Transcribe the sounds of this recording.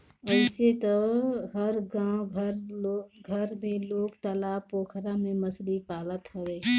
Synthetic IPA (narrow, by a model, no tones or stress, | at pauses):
əɪset̪ɔɦəɾɡãːwɡʱəɾɡʱəɾmẽloːɡt̪aːlaːpoːkʰɾamẽməslipaːlət̪həweː